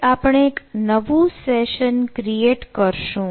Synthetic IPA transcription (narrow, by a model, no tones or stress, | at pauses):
apəɳ̃eːknəʋũsɛʃənkɾieʈkəɾʃũ